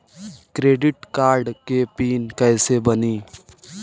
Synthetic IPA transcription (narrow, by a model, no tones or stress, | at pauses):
kɾeːɖɪʈkaːɾɖkepiːnkɛːsebəniː